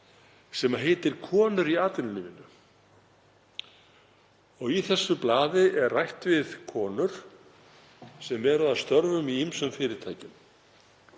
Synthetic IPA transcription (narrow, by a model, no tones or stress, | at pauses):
sɛmaɦeːjt̪ɪɾ̥kʰɔːnʏɾiaːt̪ɪnʏniːmɪnʏ | ɔɣiθɛsːʏplaːðɪʔɛrrajht̪vɪðkʰɔːnʏɾ̥ | sɛmɛɾast̪œɾvʏmiimsʏmfɪːɾɪɾ̥t̪ʰaːjcɪm